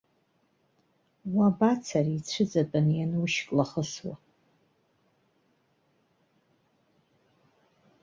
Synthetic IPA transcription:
wabat͡sʰariit͡sʷʰɨd͡zatʼanjanwuʃkʼlaχəswa̰

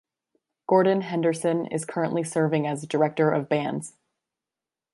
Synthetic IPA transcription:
ɡ̥ɔɹdⁿn̩ɦɛ̃ndə˞sɨ̃nɪ̰z̥kʰɜ˞ɨ̃nʔlisɜ˞vɪ̃ŋɨzdə˞ɛk̚tə˞ʔʌvbæ̃ndz̥

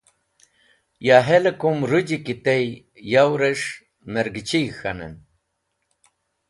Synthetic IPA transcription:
jaːɦelekumɾud͡ʑikit̪ej | jawɾeʂ | meɾɡit͡ɕijxɐnḛn

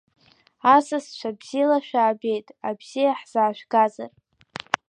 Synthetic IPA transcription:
asast͡ʃʷabz̥ilaʃᶣaːbe̞jtʼabz̥ijaħz̥aːʃʷᶣɡaza̰r

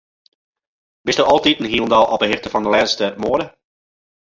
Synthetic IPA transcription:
b̥ɪsdyʔɔlˠtitənɦiəlˠndɔlˠʔɔpdəɦɪrtəfɔndəlɛnstəmoədə

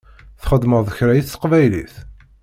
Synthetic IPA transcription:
θχəd̪ːməðˤəçɾæjiθθə̥qvæjlḭθ

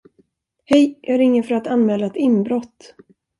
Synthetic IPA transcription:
hɛjjɑɡæɾɪŋːəfœɾat̪anmɛːlːaɛt̪ɪmbɾɔt̪ː

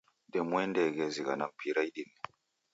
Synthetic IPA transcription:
demwendeɡeziɡa̰nampʰiɾajɗin

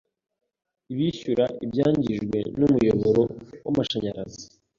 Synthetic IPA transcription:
iβiʃuɾaʔibjaːɲɟiʒɡwe̞̰numujo̞βo̞ɾo̞wamaʃaɲaɾazi

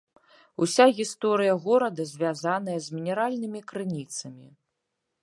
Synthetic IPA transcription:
usʲaɣʲist̪ɔɾɨjɐɣɔɾɐd̪ɐzʲvʲazanɐjɐzʲmʲinʲɛɾalʲnɨmʲikɾɨnʲit̪sɐmʲi

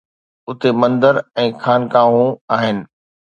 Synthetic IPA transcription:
ʊt̪emɐ̃nd̪əɾɛ̃ːxaːnkaːɦũaːɦɪnɪ̆

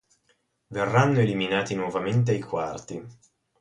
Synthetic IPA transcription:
verːanːoeliminaːt̪inwɔvament̪̬eajkwart̪i

